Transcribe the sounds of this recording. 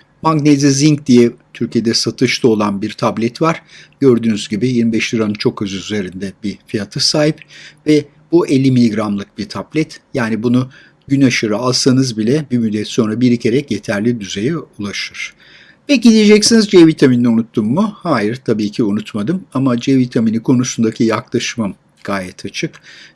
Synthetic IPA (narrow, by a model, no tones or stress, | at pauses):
maɡneziziɲcd̪ijɛt̪ʰyɾcije̞d̪ɛsat̪ʰɯʃlˠo̞lˠanbiɾt̪ʰablʲɛt̪vaɾ̥ɟ̥øɾd̪yːnyzɟibɪjiɾmibɛʃlʲiɾanɯnt͡ʃʰo̞køzyyze̞ɾind̪ɛbifijat̪ʰɯsaːjiɯpvɛ | b̥uʔelʲːimilʲiɡɾamlˠɯk̚b̥iɾt̪ʰablʲɛt̪jaːnibunu | ɟynaʃɯɾɯalˠsanɯzbilʲɛbimyd̪ːɛt̪so̞nɾabiɾicʰe̞ɾɛcje̞t̪ʰæɾlʲid̪yze̞jɛulˠaʃɯɾ̥ | pɛcid̪ied͡ʒɛcsinizd͡ʒevit̪ʰaminiunut̪ʰːumːuhaːjiɾt̪ʰabiːcʰiunut̪mad̪ɯmamad͡ʒɛvit̪ʰaminikʰo̞nusund̪acʰijaklˠaʃmam | ɡ̥aːjɛt̪ʰat͡ʃʰɯk